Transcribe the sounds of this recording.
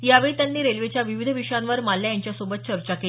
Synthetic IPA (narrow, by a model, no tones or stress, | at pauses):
jaʋeɭiːt̪janːiːɾelʋet͡ɕjaʋiʋid̪ʱəʋiʂjãnʋəɾmallːjajaɲt͡ɕjasobət̪̚t͡ɕəɾt͡ɕakele